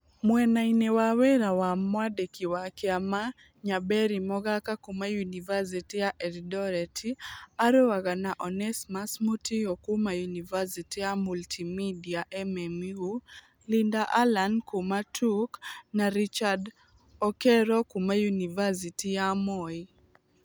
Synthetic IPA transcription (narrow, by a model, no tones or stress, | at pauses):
mwɛnainewawɛɾawamwadɛkiwakɛama | ɲabɛɾimɔɡakakumajunivas̬itijaʔɛɾdɔɾɛtʰiaɾowaɡanaʔɔnɛsmasmutiɔkumajunivasitiamultʰimidiaʔɛmɛmiu | lindaʔalankumatʰuknaɾit͡ʃad | ɔkɛɾɔkumajunivasitijamɔi